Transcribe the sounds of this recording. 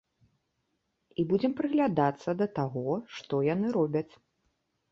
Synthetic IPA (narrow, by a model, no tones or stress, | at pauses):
ibud͡zʲɛmpɾɨɣlʲad̪at̪sːɐd̪ɐt̪aɣɔʂt̪ɔjanɨɾɔbʲɐt͡sʲ